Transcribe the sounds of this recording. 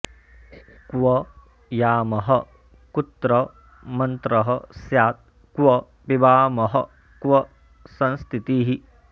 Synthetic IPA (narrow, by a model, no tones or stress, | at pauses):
kʋɐ | jaːmɐɦɐ | kut̪ɾɐ | mɐnt̪ɾɐɦɐsjaːt̪̚ | kʋɐ | pibaːmɐɦɐ̰ | kʋɐ | sɐ̃nst̪ʰit̪iːɦi